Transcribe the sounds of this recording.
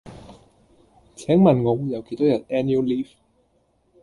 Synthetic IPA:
t͡sʰɛː˨˥ŋmɐ˨˩nŋɔ˨˧jɐ˨˧wkʰe˨˩jt̪ʰoː˨˥wjɐ˨n̚ɛ˥nju˥wliː˥f

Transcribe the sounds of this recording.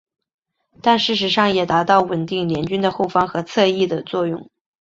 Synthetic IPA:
t̪a˥˧nʂɻ̩˥˩ʂ̬ɻ̩˧˥ʂɑ˥˩ŋjɛ˨˩t̪a˧˥t̪ɑ˥˩ʊwə˨˩nt̪i˥˩ŋljɛ˧˥nt͡ɕy˥nd̪ə˨xo˥˩ʊfɑ˥ŋxɤ˧˥t͡sʰɤ˥˧i˥˩d̪ə˩t͡swɔ˥˧jʊ̰˥˩ŋ

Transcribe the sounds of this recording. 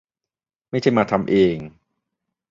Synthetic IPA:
ma˥˩jt͡ɕʰa˥˩jmaː˧t̪ʰa˧mʔeː˧ŋ

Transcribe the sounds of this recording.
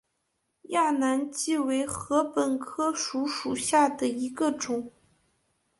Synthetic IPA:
ja˥˩na˧˥nt͡ɕi˥˩we˧˥ɪxɤ˧˥pə˨˩nkʰɤ˥ʂu˧˥ʂu˨˩ɕja˥˩d̪ə˩i˧˥ɡə˧ʈ͡ʂʊ˨˩˦ŋ

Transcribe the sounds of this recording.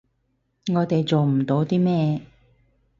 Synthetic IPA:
ŋɔː˨˧t̪e˨jt͡so˨wm̩˨˩t̪o˨˧˥wt̪iː˥mɛː˧

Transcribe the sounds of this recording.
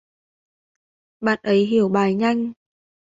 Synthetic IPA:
ɓa̰ː˧˨nʔə˨˦jɦi˧˩əwɓaː˨˩jɲa˧jŋ̟

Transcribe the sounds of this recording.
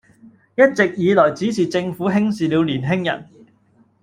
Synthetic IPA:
jɐ˥t̚t͡sɪ˨k̚jiː˨˧lɔː˨˩jt͡siː˨˥t͡sʰiː˨˩t͡sɪ˧ŋfuː˨˥ɦɪ˥ŋsiː˨li˨˧wliː˨˩nɦɪ˥ŋjɐ̰˨˩n

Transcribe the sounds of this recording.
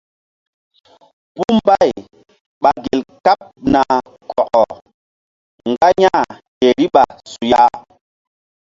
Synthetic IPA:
pu˦mba˦j | ɓa˨ɡe˨lka˦p̚na˨ | kʰɔ˨ʔɔ˨ | ŋɡa˦ɲa˦˨he˨ɾi˦ɓa˨su˨ja˦

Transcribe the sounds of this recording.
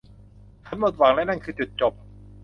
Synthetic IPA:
t͡ɕʰa˦˥nmo˨˩t̪̚wa˩˦ŋlaː˦˥na˧˥˩ŋkʰɯː˧t͡ɕu˨˩t̪̚t͡ɕo˨˩p̚

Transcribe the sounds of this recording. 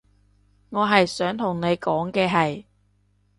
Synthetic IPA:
ŋɔː˨˧ɦɐ˨jsœː˨˥ŋt̪ʰʊ˨˩ŋne˨˧jkɔː˨˥ŋkɛː˧ɦɐ˨j

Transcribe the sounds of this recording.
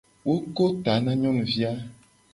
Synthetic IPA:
wo˦ko˦t̪a˨˦nã˦ɲɔ̃˦n˨vi˦a˦

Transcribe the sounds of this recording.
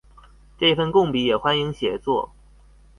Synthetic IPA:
ʈ͡ʂɤ˥˧fə˥˧nkʊ˥˩ŋpi˧˥jɛ˨˩xwa˥ni˧˥ŋɕjɛ˨˩t͡swɔ˥˩

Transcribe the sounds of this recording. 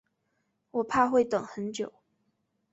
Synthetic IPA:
wɔ˨˩pʰa˥˧xwe˥˩ɪt̪ɤ˨˩ŋxə˧˥nt͡ɕjo˨˩˦ʊ

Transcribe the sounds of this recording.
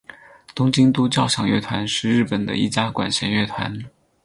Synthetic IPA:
t̪ʊ˥ŋt͡ɕi˥ŋt̪u˥t͡ɕjɑ˥˧ʊɕjɑ˨˩ŋɥɛ̰˥˩t̪ʰwa˧˥nʂɻ̩˥˧ɻɻ̩˥˩pə˨˩nd̪ə̰˦i˥˩t͡ɕja˥kwa̰˨˩nɕjɛ˧˥nɥɛ˥˩t̪ʰwa̰˧˥n

